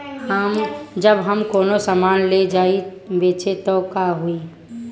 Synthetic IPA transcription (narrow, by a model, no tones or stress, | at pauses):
həmd͡ʒəbɦəmkoːnosamaːnled͡ʒaːibeːt͡ʃet̪okaɦui